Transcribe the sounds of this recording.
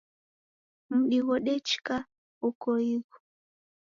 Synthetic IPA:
m̩ɗiɣɔɗɛt͡ʃka | ukɔiɣɔ̥

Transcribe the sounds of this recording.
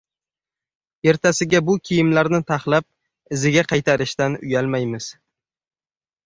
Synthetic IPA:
e̞ɾt̪ʰasɪɡʲabʊkʲʰijɪmlaɾnɪt̪ʰaχlap̚ | ɪzɪɡʲaqʰɑjt̪ʰaɾɪʃt̪anʊ̰jalˠmajmɪz̥

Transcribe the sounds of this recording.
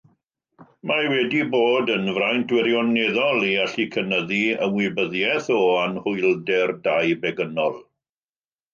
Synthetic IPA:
majwɛdiboːdənvrajntdwɪɾjɔneðɔlˠiaɬikʰənəðiəmwɪbəðjɛθɔanhʊɨlˠdɛrdajbɛɡənɔlˠ

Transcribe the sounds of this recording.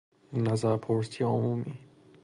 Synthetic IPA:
innæzæɾpʰoɾsijeomumiː

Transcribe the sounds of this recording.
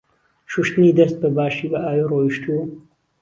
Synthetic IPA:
ʃuʃt̪nid̪ɐst̪̚bɐbaːʃibɐaːjoroːiʃt̪ʰu

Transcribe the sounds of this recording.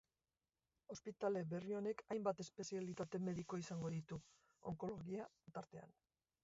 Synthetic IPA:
o̞spit̪ale̞βe̞rio̞ne̞kʰajmbat̪e̞spe̞sialit̪at̪e̞me̞ðiko̞isaŋɡo̞ðit̪u | o̞̰ŋko̞lo̞ɣia | t̪aɾt̪e̞a̰n

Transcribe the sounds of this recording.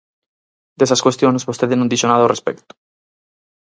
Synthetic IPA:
d̪esaskwe̞st̪jonezβost̪eðenund̪iʃonaðorespḛkt̪u̥

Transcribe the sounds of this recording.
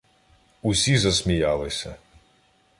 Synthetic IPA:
usʲizɐsmʲijɑlˠɪsʲɐ

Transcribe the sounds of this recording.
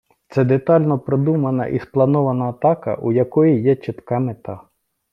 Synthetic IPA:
t̪sɛd̪et̪ɑlʲnɔpɾed̪umɐnɐ̰ʔḭsplˠɐnɔʋɐnɐːt̪ɑkɐ̰ʔujɐkɔjijɛt͡ʃɪt̪kɑmet̪ɑ

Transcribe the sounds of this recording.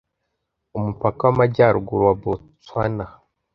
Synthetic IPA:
umupakawamaɟaɾuɡuɾwabo | t͡swana

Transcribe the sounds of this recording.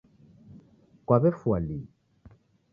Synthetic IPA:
kwaβɛfwali

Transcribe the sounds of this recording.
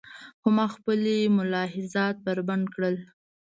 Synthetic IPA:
hʊmɑxpəlemʊlɑɦɪzɑt̪̚bəɾband̪kɽəl

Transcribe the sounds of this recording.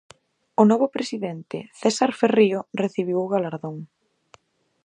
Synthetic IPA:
ʊnɔβʊpɾesiðɛnt̪ɪ̰θɛsaɾferioreθiβ̞iwʊɣalaɾðoŋ

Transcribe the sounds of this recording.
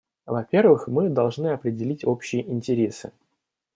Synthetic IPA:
vɐpʲe̞rvɨxmɨd̪ɐlˠʐnɨɐpɾʲɪdʲɪlʲitʲo̞pɕːɪjəʔɪnʲtʲɪɾʲe̞sɨ̰

